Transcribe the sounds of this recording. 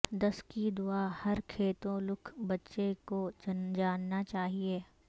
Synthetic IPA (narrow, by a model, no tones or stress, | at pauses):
d̪ɐskid̪ʊaːhɐɾkʰeːt̪õlʊkʰbɐtːʃekod͡ʒd͡ʒaːnːat͡ʃaːɦieː